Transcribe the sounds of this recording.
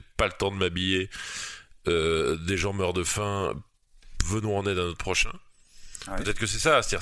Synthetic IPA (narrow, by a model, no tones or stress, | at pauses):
palət̪ɑ̃d̪əmabije | ød̪eʒɑ̃mœʁd̪əfɛ̰̃ | vənɔ̃ɑ̃nɛd̪ɛ̃not̪χpχɔʃɛ̃ | pət̪ɛt̪χəkəsɛsast̪ad̪iʁ